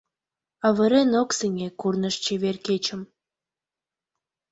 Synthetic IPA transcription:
ɑβə̆ɾenokseŋʲekurnəʃt͡ɕeβerket͡ɕə̆m

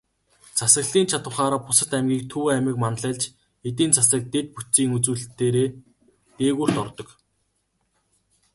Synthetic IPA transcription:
t͡sʰasə̆ɣɮiːnt͡ɕʰat̪wə̆χaːɾaːpʊsə̆t̪æmɡʲiːk̚t̪ʰɵwæmɪ̆kmanɮɛ̆ːɮt͡ɕ | et̪̬iːnt͡sʰasə̆k̚t̪et̪̚put͡ɕt͡siːŋut͡suːɮt̪ːeːɾeː | t̪eːɣur̥t̪ɔrt̪ɞ̆k

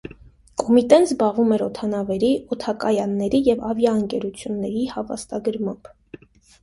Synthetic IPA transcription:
kɔmit̪ɛnzbɑʁvumɛɾɔt̪ʰɑnɑvɛɾiʔɔt̪ʰɑkɑjɑnːɛɾijɛvɑvjɑəŋkɛɾut͡sʰjunːɛɾihɑvɑ̰st̪ɑɡəɾmɑmb

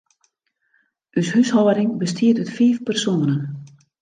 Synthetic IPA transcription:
yshyshɔwəɾɪŋbəstʰiətytfeːfpərsonənən

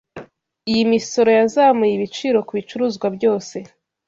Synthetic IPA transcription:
ijimiso̞ɾo̞jazamujiβit͡ʃiːɾo̞kuβit͡ʃuɾuːzɡwabɟo̞ːse̞

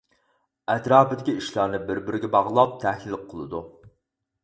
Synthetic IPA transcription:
ɛt̪ɾɑːpɪd̪ɪkʲiiʃlˠɑɾnɨbɪɾbɪɾɪɡʲɛbɑʁlˠɑp̚t̪ʰɛhlɪl̚qʰːəlˠɨd̪u

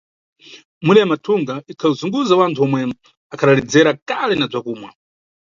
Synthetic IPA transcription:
muɗɛjamatʰuŋɡaʔikʰauzuŋɡuzawantʰuɔmwɛ | akʰaɗalɛd͡zɛɾakalɛnab͡ʐakuːmwa

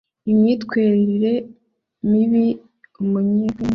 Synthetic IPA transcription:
imɲiːtkweːɾiɾiɾe̞ | miβi | umuɲike

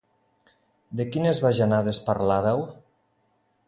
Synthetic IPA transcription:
d̪ekinezβaʒanaðespaɾlaðaw

